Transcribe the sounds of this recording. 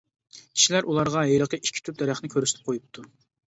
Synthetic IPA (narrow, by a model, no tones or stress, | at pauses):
kʲʰi̥ʃilæɾʔulˠɑɾʁɑɦejlˠəqəʔikʲʰːi̥t̪ʰyp̚d̪ɛɾæχnɪkʲʰøɾysɪt̪ʰɪp̚qʰojup̚t̪ʰu